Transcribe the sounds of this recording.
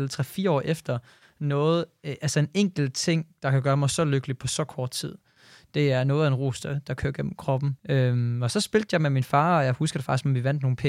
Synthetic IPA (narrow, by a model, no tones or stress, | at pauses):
lt͡sʰʁɛfiːɐɒ̰ːʔefd̥ɐ | nɔ̽ːð̞̩ˠʔælsɐe̝neŋ̰ɡ̥l̩t͡sʰe̝ŋ̰d̥ɑ̈kʰæɡ̥ɶːɐmɑɪsɒ̽løɡ̥əlipʰɒ̽sɒ̽kʰɒːd̥t͡sʰið̞̰ˠ | d̥e̝æɐnɔ̽ːðˠenʁo̝ːsd̥əd̥ɑ̈kʰø̰ɐ̰ɡ̥en̰m̩kʰʁɒ̽b̥n̩ømɒ̽sɒ̽sb̥e̝ld̥jɑ̈ɪmeminfɑ̈ːɒ̽jɑ̈ɪhusɡ̥ɐde̥fɑ̈ɡ̥disɡ̥mɒ̽mʋiʋæn̰d̥no̝ːn̩pʰe